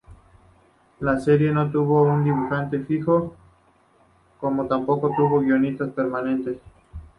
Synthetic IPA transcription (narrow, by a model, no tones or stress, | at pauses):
lase̞ɾje̞no̞t̪̬uβo̞und̪iβuxant̪e̞fixo | ko̞mo̞t̪ampo̞ko̞t̪uβo̞ɣjo̞nit̪aspeɾmanẽ̞nt̪es